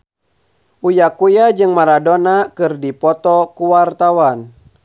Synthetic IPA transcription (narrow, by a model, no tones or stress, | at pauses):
ʔujakujad͡ʒɨŋmaɾadonakɨrdipɔt̪ɔkuwart̪awan